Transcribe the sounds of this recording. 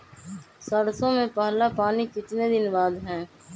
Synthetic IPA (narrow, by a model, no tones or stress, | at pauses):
səɽsõːmẽpaːlaːpaːnikɪt͡ʃned̪ɪnbaːd̪ɦɛ̃ː